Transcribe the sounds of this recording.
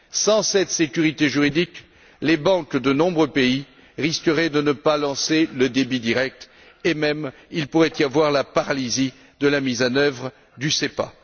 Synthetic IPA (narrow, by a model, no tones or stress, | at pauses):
sɑ̃sɛt̪sekʲyʁit̪eʒyʁid̪ik | lebɑ̃kd̪ənɔ̃bʁøpei | ʁiskəʁɛd̪ənəpalɑ̃seləd̪ebid̪iʁɛk̚t̪ | emɛmilpuʁɛt̪ijavwaʁlapaʁalizi | d̪əlamizɑ̃nœvʁ | d̪ysepa̰